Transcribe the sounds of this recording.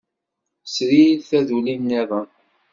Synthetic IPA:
sɾilθæðulinːæðˤə

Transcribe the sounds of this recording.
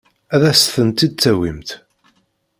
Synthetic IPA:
æðæsθənt̪id̪̚t͡sːæwimt̪

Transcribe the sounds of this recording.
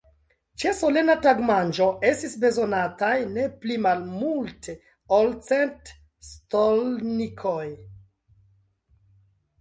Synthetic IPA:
t͡ʃe̞so̞le̞nataɡmand͡ʒo̞ʔe̞stisbe̞zo̞natajne̞plimalmultʰe | olt͡sent | stolnikʰoj

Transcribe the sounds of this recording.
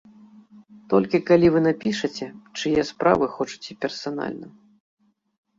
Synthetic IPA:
t̪ɔlʲkʲikalʲivɨnapʲiʂɐt͡sʲɛt͡ʂɨjɛspɾa̰vɨxɔt͡ʂu̥t͡sʲipʲɛrsana̰lʲnɐ

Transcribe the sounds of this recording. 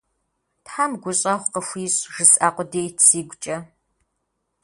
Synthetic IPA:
tħaːmɡʷʊɕʼɐχʷqəxʷiːɕʼʒɨsaːqʷɔdeːjtʰsiːɡʷt͡ʃʼɐ

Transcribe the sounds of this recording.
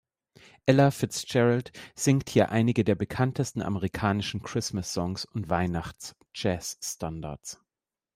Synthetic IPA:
ʔɛlafɪst͡ʃɛʁaltz̥ɪŋkthiːɐʔaɪnɪɡədeːɐbəkʰantʰəstn̩ʔa̰məʁikʰaːnɪʃn̩kʁ̥ɪsmasɔŋsʊntv̥aɪnaχt͡s | d͡ʒɛːsːtanda̰ɐs

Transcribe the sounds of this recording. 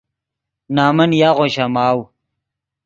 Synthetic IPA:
naːmɐnjaːʁoɕamaːw

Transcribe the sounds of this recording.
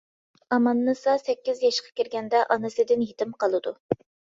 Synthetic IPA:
ɑmɑnːɨsɑsɛkʲːɪzjɑʃqʰɑ̥kʲiɾɡʲɛnd̪ɛʔɑnɨsɨd̪ɪnjit̪ʰɪmqɑlˠɨd̪u

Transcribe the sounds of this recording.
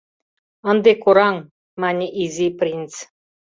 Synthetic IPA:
ɤ̆nd̪ekuɾɑŋ | mɑnʲeʔizʲiprʲint͡s

